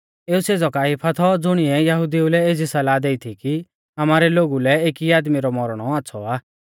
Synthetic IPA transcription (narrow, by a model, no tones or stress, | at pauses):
eːuseːd͡zɔkaːipʰat̪ʰɔd͡zʊɽ̃iɛjɐɦʊd̪iulɛed͡zʱisɐlaːd̪eit̪ʰiki | ɐmaːɾɛloːɡulɛeːkiaːd̪miɾɔmɔɾɽ̃ɔaːsʰɔ̰aː